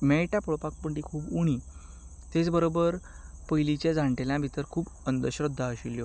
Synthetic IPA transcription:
meɭʈapoɭpak̚pəɳʈikʰuːbuɽ̃i | t̪et͡sbəɾobəɾ | pəjlit͡ɕed͡zãɳʈeljãbʱit̪əɾkʰuːbənd̪əɕɾəd̪ʱːaəɕiljo

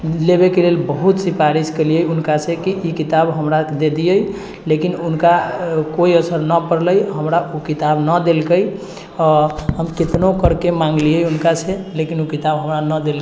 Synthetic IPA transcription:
leβekelelbəɦut̪sipaɾiskelijəjunkasẽkiʔikit̪abɦəmɾad̪ed̪ijəj | lekinunkakoiəsəɾnəpəɾləjɦəmɾaʔukit̪abnəd̪elkəj | ɔɦəmket̪nokəɾkemãŋɡlijəjunkaselekinukit̪abɦəmɾanəd̪el

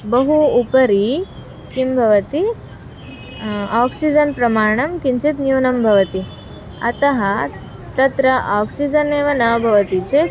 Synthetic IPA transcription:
bɐɦuːpɐɾi | kimbʱɐʋɐt̪i | aːksid͡ʒɐnpɾɐmaːɳ̃ɐmkiɲt͡ʃit̪njuːnɐmbʱɐʋɐt̪i | ɐ̰t̪ɐɦɐ | t̪ɐt̪ɾɐʔaːksid͡ʒɐneːʋɐnɐʋɐbʱɐʋɐt̪it͡ʃe

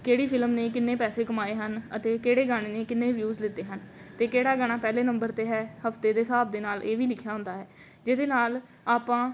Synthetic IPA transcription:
keːɽiːpʰɪlmneːkɪnːeːpɛːseːkəmaːeːɦənə̰t̪eːkeːɽeːɡaːɽ̃eːneːkɪnːeːʋjuːzlɪt̪ːeːɦənt̪eːkeːɽaːɡəɽ̃aːpɛːleːnəmbəɾt̪eːɦɛːhəft̪eːd̪eːsaːb̚d̪eːnaːlʔeːʋiːlɪkʰjaːɦʊ̃nd̪aːɦɛː | d͡ʒeːd̪eːnaːl | aːpãː

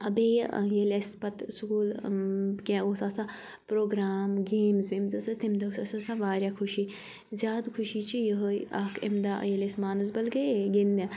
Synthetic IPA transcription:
ɐbeːj̰jelespɐt̪skuːl | kʲãoːsaːsã | pɾoːɡɾaːmɡeːmzʋemzɐsɐt̪ʰimd̪aosasasaʋaːɾʲjaːkʰʊʃiː | zʲjaːd̪kʰʊʃiːt͡ʃijəɦoaːkʰḛmd̪ajelesmaːnɐzbɐlɡɐɡend̪ʲã

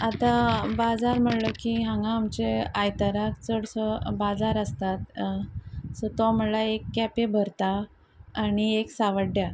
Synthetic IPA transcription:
at̪ãbad͡zaɾm̤əɽləkiɦãŋɡãːmt͡ɕeajt̪əɾakt͡səɽsəbad͡zaɾəst̪at̪ | sət̪ɔm̤əɽlaekːɛpebʱəɾt̪aː | ñieksaʋəɖja

